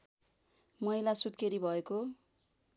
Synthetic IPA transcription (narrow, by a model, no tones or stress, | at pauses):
mʌilasud̪keɾibʱʌeko